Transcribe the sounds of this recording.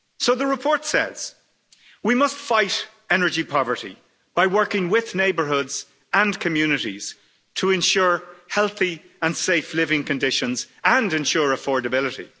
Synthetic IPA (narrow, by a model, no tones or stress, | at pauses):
soʊðəɹɪpʰɔɹtsɛ̰z̥ | wimʌstfaɪɾ | ɛnə˞d͡ʒipʰɑvə˞ɾḭ | b̥aɪwɜ˞kɪ̃ŋwɪðneɪbə˞ɦʊdz̥ | ə̃nkʰɨmjʉnɨɾiz̥ | tʰəɛ̃nʃʊːɹhɛlˠθi | ə̃nseɪflɪvɪ̃ŋkʰɨ̃ndɪʃə̃nzə̃ndɨ̃nʃʊːɹəfɔːɹdəbɪlɪɾḭ